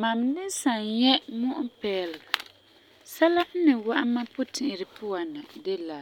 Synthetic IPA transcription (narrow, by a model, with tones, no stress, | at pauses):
ma˨mnɪ˦sa˨njɛ˦mʊ˦ʔʊ˦pɛː˦lɨ˨ɡa˨ | sa˦la˦hnɨ˨wa˦ʔa˦ma˦pʊ˦tʰɪ˨ʔɪ˨ɾɪ˨pʊ˦a˨na˨de˦la˨